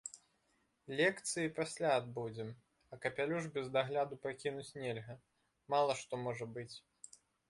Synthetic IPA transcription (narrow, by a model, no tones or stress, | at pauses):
lʲɛkt̪sɨjipasʲlʲaːd̪bud͡zʲɛm | ɐkɐpʲalʲuʐbʲɛzd̪aɣlʲad̪upakʲinut͡sʲnʲelʲɣɐ | malˠɐʂt̪ɔmɔʐɐbɨt͡sʲ